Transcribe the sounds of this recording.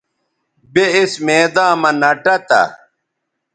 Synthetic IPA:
beismeːd̪ãːmɐnɐʈɐt̪ɐ̰

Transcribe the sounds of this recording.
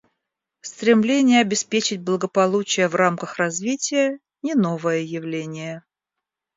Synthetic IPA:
st̪ɾʲɪmlʲenʲɪjəɐbʲɪspʲet͡ɕɪt̚ʲblˠəɡəpɐlˠut͡ɕɪjəvramkəxrɐzvʲitʲɪjə | nʲɪno̞vəjəjɪvlʲenʲɪjə

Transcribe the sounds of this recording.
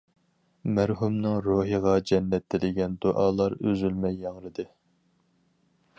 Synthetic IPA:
mæɾɦumnɨŋɾoːɦəʁɑd͡ʒɛnːɛt̪ʰːɪlɪɡʲɛnd̪oʔɑːlˠɑɾøzylmɛjːɑŋɾɨd̪ɨ

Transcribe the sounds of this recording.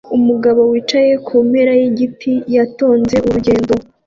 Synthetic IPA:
umuɡaβo̞wiːt͡ʃaje̞kʰumeɾajeɟipʰijato̞ːnze̞ʔuɾuɟeːndo

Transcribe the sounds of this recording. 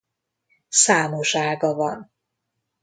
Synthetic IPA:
saːmoʃaːɡɒvɒn

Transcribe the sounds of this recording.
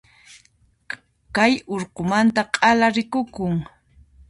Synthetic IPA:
kajoɾqomant̪aqʼɑlaɾɪkʊkʊŋ

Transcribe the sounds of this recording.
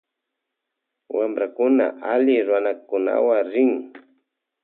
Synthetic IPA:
wamɾakʊna̰ʔalɪɾʊwanakʊna̰waŋɾɪŋ

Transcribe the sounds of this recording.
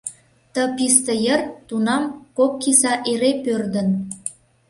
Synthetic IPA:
t̪ə̆pist̪əjərt̪unɑmkokːisɑʔeɾepørd̪ə̆n

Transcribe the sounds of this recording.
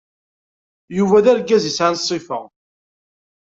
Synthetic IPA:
juvæðæɾɡæzisʕansˤːifə̰ʁ

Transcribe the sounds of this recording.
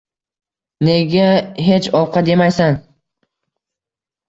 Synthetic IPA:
ne̞ɡʲaɦe̞t͡ʃɒw̚qʰɑd̪e̞majsan

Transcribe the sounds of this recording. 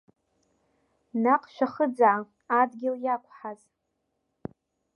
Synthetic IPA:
naqʼʃʷᶣaχəd͡zaʕa | adɡʲɪljakʷʰʼħaz

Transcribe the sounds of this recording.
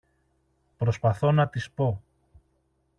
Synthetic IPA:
pɾo̞spɐθo̞nɐt̪ispo̞

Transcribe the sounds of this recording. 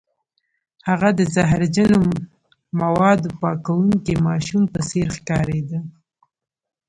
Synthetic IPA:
haɣad̪əzaɦɾd͡ʒano | mawɑd̪opɑkawuŋkemɑʃumpəseɾxkɑɾed̪a

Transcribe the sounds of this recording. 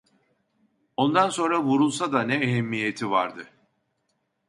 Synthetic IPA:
o̞nd̪anso̞nɾavuɾulˠsad̪anɛːɦɛmːijet̪ʰivaɾd̪ɯ

